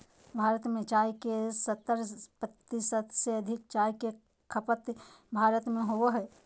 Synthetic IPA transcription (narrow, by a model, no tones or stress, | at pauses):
bʱaːɾət̪mẽt͡ʃaːjkesət̪ːəɾpət̪ːisət̪seɐd̪ʱɪk̚t͡ʃaːjke | kʰəpət̪ | bʱaːɾət̪mẽɦooɦɛː